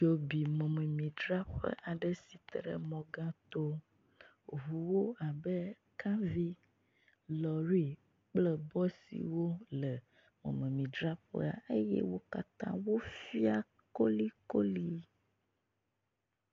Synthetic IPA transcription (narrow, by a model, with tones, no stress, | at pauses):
d͡ʒo˨bi˨mɔ̃˨mẽ˨mĩ˨dɾa˦ɸə̰˦ʔa˨ɖə˦si˨t̪ɾə̰˨mɔ̃˨ɡã˦t̪o˦ | vu˨wo˦a˨bə˦ | kã˦vi˦ | lɔ˨ɾi˦ | k͡plə˦bɔ˦sḭ˨wo˦lə˨ | mɔ̰̃˨mɛ̃˨mĩ˨d̪ɾa˦ɸə̰˦a̰˨ʔe˦jɛ̰˦wo˦ka˨t̪ã˦wo˦fi˦a˦ | ko˦li˦ko˦li˦